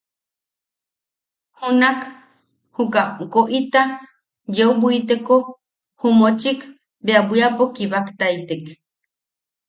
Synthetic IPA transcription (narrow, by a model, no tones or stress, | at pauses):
hunak | hukakoʔit̪a | jeubuit̪eko | humot͡ʃik | beabʷiapokiβakt̪ait̪ek